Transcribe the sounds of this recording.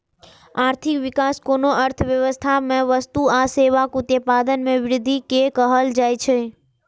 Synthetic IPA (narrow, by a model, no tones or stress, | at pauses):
aɾt̪ʰikʋikaskonoʔəɾt̪ʰəʋjəʋəst̪ʰamãʋəst̪uaseʋakut̪jəpad̪ənmẽʋɾɪd̪ʱikekəɦəld͡ʒajt͡ʃʰe